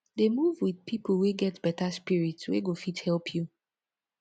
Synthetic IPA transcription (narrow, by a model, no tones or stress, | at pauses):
demuvwið̥pʰipəweɡɛtb̥ɛtaspiɹitswḛɡofithɛlpʰju